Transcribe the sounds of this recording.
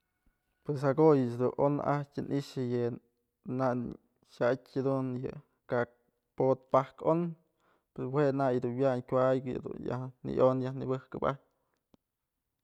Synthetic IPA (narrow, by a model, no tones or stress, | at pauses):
pwes̬haɡojɨt͡ʃd̪uʔʔo̰n̰ʔahtʲɨnʔiʃɨjɨ | na | ʃatʲad̪unjɨ̰ | ka | pot̪̚pahkon | peswenajd̪unwjaɲkʲʷajɡɨj̰d̪ṵnja̰hnḭʔonjahnibɨhkɨpat̚ʲ